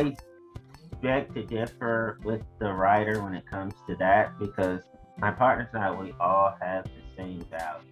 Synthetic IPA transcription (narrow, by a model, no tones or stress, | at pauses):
aɪ | b̥ɛk̚tʰɨdɪfə˞wɪðəɹaɪɾə˞wə̃nɨt̚kʰʌ̃mz̥tʰɨðɨt̚b̥ɨkʰʌz | maɪpʰɑɹtⁿnə˞saɪwiʔɔlˠɨvðɨsẽɪ̃mvaʊt̚